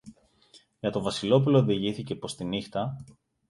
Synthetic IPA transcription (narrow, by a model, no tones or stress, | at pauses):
ʝɐt̪o̞vɐsilo̞puloːðiʝiθice̞po̞st̪inixt̪ɐ